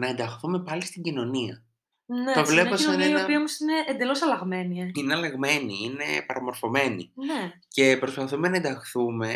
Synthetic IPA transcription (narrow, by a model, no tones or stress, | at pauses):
nɐend̪ɐxθume̞pɐlist̪iɟino̞niɐ | neɐvlenniopiɐomosine̞ʔːnd̪e̞lo̞sɐlɐɣme̞nieineɐlɐɣme̞niine̞pɐɾɐmo̞ɾfo̞me̞nḭne | ce̞pɾo̞spɐθumenɐend̪ɐxθume̞